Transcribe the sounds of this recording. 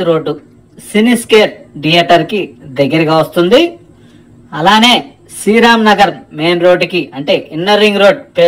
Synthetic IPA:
ɾo̞ːɖːu | siniske̞ːʈ̚ɖijeʈɐɾkid̪ɐɡːɐɾɐɡaːʋɐst̪und̪i | ɐlaːne̞ː | siːɾaːmnɐɡɐɾme̞ːnɾo̞ːɖːkiɐɳʈe̞ːʔinːɐɾiŋɡɾo̞ːɖ̚t̪eː

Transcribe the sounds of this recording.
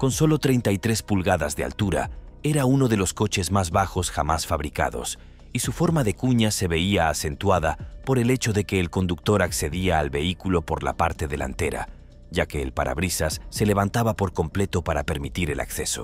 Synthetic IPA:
ko̞nso̞lo̞t̪ɾe̞jnt̪ajt̪ɾe̞spulɣaðazðea̰lt̪uɾa̰e̞ɾauno̞ðe̞lo̞sko̞t͡ʃe̞zmazβaxo̞sxamasfaβɾika̰ðo̞̰s | isufo̞ɾmaðe̞kuɲase̞βe̞iaːse̞nt̪waðapo̞ɾe̞le̞t͡ʃo̞ðe̞ke̞ːlko̞nd̪uk̚t̪o̞ɾakse̞ðiaːlβe̞ikulo̞po̞ɾla̰paɾt̪e̞ðe̞la̰nt̪e̞ɾa̰ | ɟ͡ʝake̞ːlpaɾa̰βɾisasːe̞le̞βant̪aβapo̞ɾko̞mple̞t̪o̞paɾape̞ɾmit̪iɾe̞la̰kθe̞so̞̰

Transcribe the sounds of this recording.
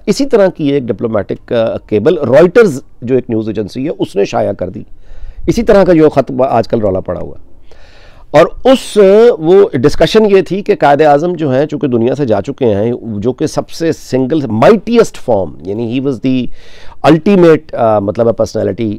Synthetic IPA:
ɪsit̪ɐɾakieːk̚ɖɪploːmɛːʈɪkːeːbəlɾɔːɪʈəɾz | d͡ʒoːeːknjuːzeːd͡ʒə̃nsiɦɛʔʊsneʃa̰ːjakɐɾd̪ḭːɪsit̪ɐɾakajoːxɐt̪a̰ːd͡ʒkɐlɾɔːlapɐ̰ɽa̰ɦṵa̰ | ɔːɾʊsʋoːɖɪskɐʃənjet̪ʰikekaːɪd̪eaːzəmd͡ʒoːɦɛt͡ʃũːked̪ʊnijased͡ʒaːt͡ʃʊkeɦɛ̃d͡ʒoːkesɐbsesɪ̃ŋɡəlmaɪʈiəsʈfɔːɾmjaːnĩɦiːʋɔzd̪iɐlʈimeːʈmɐt̪ləbɛpəɾsnɛ̰ːlɪʈi

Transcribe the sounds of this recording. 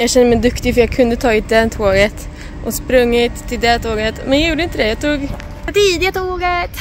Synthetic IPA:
jɑːɡɕɛnd̪əmɛd̪ɵkt̪ɪfœɾjɑɡkʰɵnd̪ət̪ʰɑːʉːt̪̚d̪ɛt̪ʰoːɡət̪ | ʔɔspɾɵŋːɪt̪ʰːɪld̪ɛt̪ʰoːɡət̪mɛnjɑjuːɖəɪnt̪əd̪ɛjɑt̪ʰuːɡ | t̪iːd̪ɪjat̪oːɡə

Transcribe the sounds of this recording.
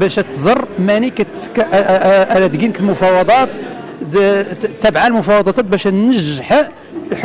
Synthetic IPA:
bæʃæt̪zˤɑrˤːmænikæt̪kæʔʔælæt̪ɡinək̪əlmʊfɑwɑd̪ˤɑt̪ | t̪ːæbʕalmʊfɑwɑd̪ˤɑt̪æt̪̚bæʃænnəʒħ | lħ

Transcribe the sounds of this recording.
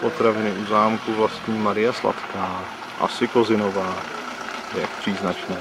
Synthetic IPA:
po̞t̪ɾavɪnɪuzaːmkuvlast̪ɲiːmaɾɪjasla̰t̪kaː | ʔa̰sɪko̞zɪnovaː | jak̚pr̥iːznat͡ʃnɛː

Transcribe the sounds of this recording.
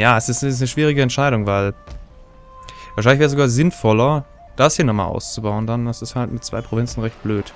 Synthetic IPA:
jaːɛsɪstɪsnəʃv̥iːʁ̞ɪɡəɛntʃaɪɾʊŋvaɪl | vaɐʃaɪlɪçvɛːɐəszoɡaːɐzɪnfɔlɐ | d̥ashiːɐnɔχma̰ːlʔa̰ʊst͡subaʊəndanɐsɪsthaltmɪt̚t͡sv̥a̰ɪpʁ̥ovɛnt͡sn̩ʁɛçt̚b̥løːt

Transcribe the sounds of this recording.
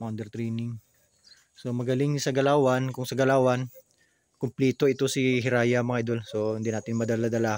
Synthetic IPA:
mand̪ɛɾt̪ɾinɪŋ | so̞mɐɡɐlɪŋsɐɡɐlaːwɐnkʊŋsɐɡɐlaːwɐn | kʊmplɛːt̪o̞ɪt̪o̞siɦɪɾaːjɐmɐŋaʔɪd̪olso̞hɪnd̪inaːt̪ɪnmɐd̪alad̪ɐla

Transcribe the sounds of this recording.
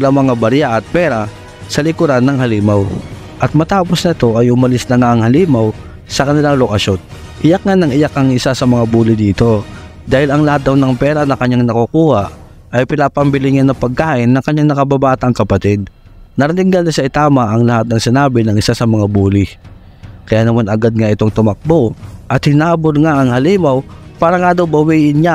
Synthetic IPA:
ɪlaŋmɐŋabɐɾjaʔɐt̪̚pɛːɾɐ | sɐlɪkʊɾanːɐŋhɐliːmaw | ʔɐt̪̚mɐt̪aːposnɐt̪o̞ʔɐjʔʊmɐlɪsnɐŋaʔɐŋhɐliːmaw | sɐkɐnɪlaŋlokɐʃot̪̚ | ʔɪjak̚ŋanɐŋɪjakɐŋʔɪsasɐmɐŋabuːlɪd̪iːt̪o̞ | d̪aːhɪlɐŋlɐhat̪̚d̪ɐwnɐŋpɛːɾɐnɐkɐɲːaŋnɐkukuːhaʔ | ʔɐjpɪnaːpɐmbɪlɪŋanːɐŋpɐɡ̚kaːʔɪnːɐŋkɐɲɲaŋnɐkɐbabaːt̪ɐŋkɐpɐt̪ɛd̪̚ | nɐɾɪnɪŋɡalnɐʃaɪt̪aːmɐʔɐŋlɐhat̪nɐŋsɪnaːbɪnɐŋʔɪsasɐmɐŋabuːlɪ | kɐjaːnɐmanɐɡad̪̚ŋaʔɪt̪oŋt̪ʊmɐk̚boʔɐt̪hɪnaːbolŋaʔɐŋhɐliːmawpaːɾɐŋad̪owbɐwiːʔɪnɲa

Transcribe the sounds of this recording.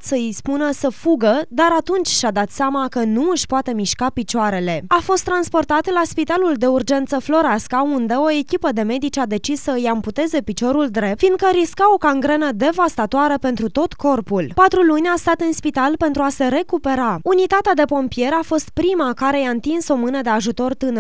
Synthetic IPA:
səispunəsəfuɡəd̪aɾat̪unt͡ʃʲʃad̪at̪seamakənuɨʃpoat̪e̞miʃkapit͡ʃoaɾe̞le̞afo̞st̪ːɾanspo̞rt̪at̪laspit̪aluld̪e̞urd͡ʒe̞nt̪səflo̞ɾaskaund̪e̞o̞e̞kʲipəd̪e̞me̞d̪it͡ʃad̪e̞t͡ʃisːəɨjaɨmput̪e̞ze̞pit͡ʃo̞ɾuld̪ɾe̞p̚tfind̪̚kəɾiskao̞kaŋɡɾenəd̪e̞vast̪at̪oaɾəpe̞nt̪ɾut̪o̞t̪ko̞rpulpat̪ɾulunʲast̪at̪ɨnspit̪alpe̞nt̪ɾuase̞ɾe̞kupe̞ɾaunit̪at̪ead̪e̞po̞mpie̞ɾafo̞st̪pɾimakaɾe̞jaɨnt̪inso̞mɨnəd̪e̞aʒut̪o̞rt̪ɨn

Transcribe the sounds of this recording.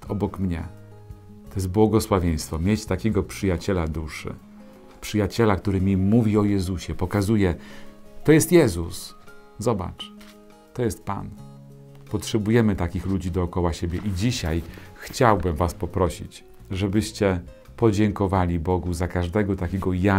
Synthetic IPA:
ɔbɔkmɲɛ̰ | t̪ɔjɛs̬t̪̚bwɔɡɔswavʲjej̃st̪fɔmʲjet͡ɕt̪akʲɛɡɔpʂɘjat͡ɕɛlad̪uʂɘ̰ | pʂɘjat͡ɕɛlakt̪uɾɘmʲimuvʲiɔjɛzuɕɛpɔkazujɛt̪ɔjɛst̪jɛzus | zɔba̰t͡ʂ | t̪ɔjɛst̪̚pa̰n | pɔtʂɛbujɛmɘt̪akʲixlud͡ʑid̪ɔːkɔwaɕebʲjɛʔid͡ʑiɕajxt͡ɕawbɘmvaspɔpɾɔɕḭt͡ɕ | ʐɛbɘɕt͡ɕɛ | pɔd͡ʑɛŋkɔvalʲibɔɡuzakaʐd̪ɛɡɔt̪akʲɛɡɔja

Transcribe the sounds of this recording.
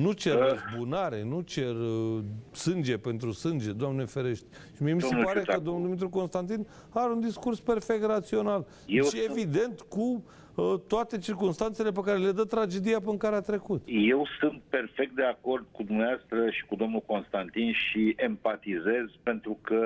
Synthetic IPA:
nut͡ʃeresbunaɾe̞̰nut͡ʃe̞r | sɨnd͡ʒe̞pe̞nt̪ɾusɨnd͡ʒe̞d̪oamnefeɾeʃt̪̚ʲ | ʃimiemisepaɾekəd̪omnuld̪imit̪ɾuko̞nst̪ant̪̬in | aɾeund̪iskurspe̞rfek̚t̪rat̪sio̞nal | eʃevid̪e̞nt̪ku | ət̪oat̪e̞t͡ʃirkumst̪ant̪selep̬ekaɾe̞le̞d̪ət̪ɾad͡ʒe̞d̪iapɨnkaɾeat̪ɾe̞kut̪je̞wsɨnt̪̚pe̞rfek̚t̪̚d̪e̞ako̞rd̪̚kud̪umneast̪ɾəʃi̥kud̪o̞mnuko̞nst̪ant̪inʃiempat̪ize̞zpe̞nt̪ɾukə

